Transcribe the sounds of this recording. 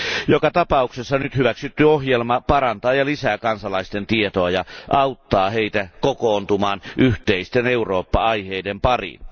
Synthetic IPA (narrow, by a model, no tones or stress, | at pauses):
jokɑt̪ɑpɑuksesːɑnyt̪hyʋæksyt̪ːyohjelmɑpɑrɑnt̪ɑːjɑlisæːkɑnsɑlɑist̪ent̪iet̪oɑjɑʔɑut̪ːɑːheit̪ækokoːnt̪umɑːnʔyht̪eist̪eneuroːpːɑɑiheidempɑrḭn